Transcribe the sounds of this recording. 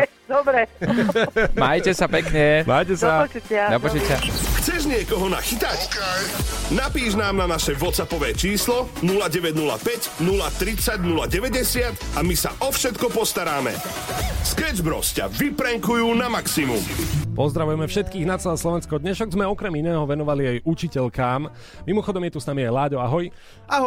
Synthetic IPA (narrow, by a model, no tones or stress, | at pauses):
d̪ɔbɾɛ | majtcɛsapɛkɲɛmajcɛsat͡ʃutad̪pɔt͡ʃutaxt͡sɛʒɲɪɛkɔɦɔna̰xit̪ac | napiːʒnaːmnanaʃɛʋɔt̪sapɔʋɛːt͡ʃiːslɔnulaɟɛʋɛɟnula̰pɛɟnulat̪ɾit͡saɟnulaɟɛʋɛɟɛsɪat̪amisaʔɔfʃɛt̪kɔpɔst̪aɾaːmɛ̰ | skɛd͡ʒbɾɔ̰sca̰ʋipɾɛŋkujuːnamaksimṵmpɔzd̪ɾaʋujɛmɛfʃɛt̪kiːɣnat͡sɛlɛːslˠɔʋɛnskɔd̪ɲɛʃɔɡzmɛɔkɾɛminɛːɦɔʋɛnɔʋaliajut͡ʃicɛʎkaːm | mimɔxɔd̪ɔmjɛt̪usnamiajlaːɟɔaɦɔj | aɦɔ